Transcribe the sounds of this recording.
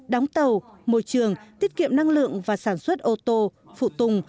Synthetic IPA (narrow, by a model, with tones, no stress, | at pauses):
ɗa˨˦wŋ͡mt̪ə˨˩wmo̰˧˨jt͡ɕɨ˨˩əŋt̪i˦˥t̚kḭ˧˨əmna˧ŋlɨ̰˧˨əŋvaː˨˩saː˧˩nswə˦˥t̚ʔo˧t̪o˧ | fṵ˧˨t̪ʊ˨˩ŋ͡m